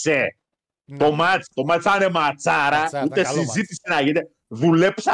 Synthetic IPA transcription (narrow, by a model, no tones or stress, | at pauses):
se | t̪o̞mɐt͡st̪o̞mɐt͡sane̞mat͡sɐɾɐut̪e̞sizit̪ise̞nɐʝine | ðule̞psɐ